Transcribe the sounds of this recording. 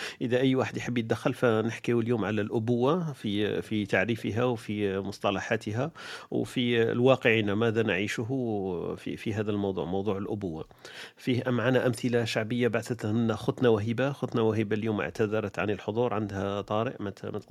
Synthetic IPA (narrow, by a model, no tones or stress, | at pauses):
ʔəd̪æʔəjːwaħəd̪jħəbːjətd̪əxːəlfænəħkiwəljuːmʕalælʔʊbʊwːafifit̪aʕɾifəɦæwfimʊsˤt̪ˤɑlɑħat̪əɦæwfḭlwɑqəʕinamæd̪ænʕiʃɦufḭfiɦæd̪ælmɑwd̪ˤṵʕmɑwd̪ˤuʕəlʔʊbʊwːa̰ | fihʔæmːʕanaʔæmθəlaʃaʕbəjːabaʕθət̪nːæxʊt̪nawæɦibaxʊt̪nawæɦibaljuːmə̰ʕt̪æd̪ɑɾˤət̪ʕanəlħod̪ˤuɾˤʕand̪hæt̪ˤɑɾə̰ʔmæmæt̪